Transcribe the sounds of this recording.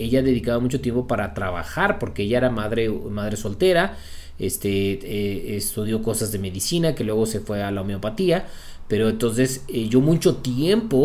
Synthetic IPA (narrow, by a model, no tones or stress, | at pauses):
e̞ʝaðe̞ðikaβamut͡ʃo̞t̪je̞mpo̞paɾat̪ɾaβa̰xaɾpo̞ɾke̞eʝaeɾamaðɾe̞maðɾe̞so̞lt̪e̞ɾa | ḛst̪eeest̪uðjo̞ko̞sazðe̞me̞ðisinake̞lwe̞ɣo̞se̞fwe̞alaomeo̞pat̪ia | pe̞ɾo̞ent̪o̞nse̞seʝo̞mũt͡ʃo̞t̪je̞mpo